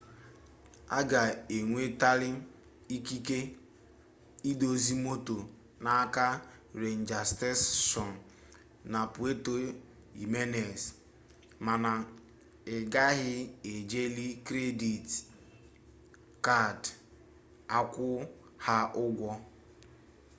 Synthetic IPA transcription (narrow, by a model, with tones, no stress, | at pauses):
a̰˦ɡa˨e˨ŋʷe˦ta˦lɪ˦ | i˦ki˦ke˦ | i˦do˨zi˦mo˦to˨ | na˨˦ka˦ɾe˨n̩˨d͡ʒa˨ste˦sʃɔ˨n˨ | na˨pu˨e˦to˦ | i˨me˦ne˨s | ma˨na˨ | ɪ˨ɡa˦ɣɪ˦e˨d͡ʒe˦li˦kɾe˦di˨t | ka˦˨d | a˦kʷʊ˦ | ha˦ʊ˦ɡʷɔ˦